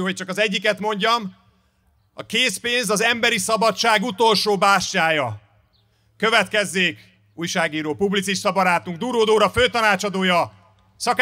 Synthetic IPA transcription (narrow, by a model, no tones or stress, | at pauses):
ɦoc̚t͡ʃɒkɒzɛɟːikɛt̪mo̞ɲɟɒm | ɒ̰keːspeːnzɒzɛmbɛɾisɒbɒt͡ʃːaːɡut̪o̞lʃoːbaːʃcaːjɒ | kø̞vɛt̪kɛzːeːk | uːjʃaːɡiːɾoːpublit̪siʃt̪ɒbɒɾaːt̪uŋɡ̚d̪uːɾoːd̪oːɾɒføːt̪ɒnaːt͡ʃɒd̪oːjɒ | sɒk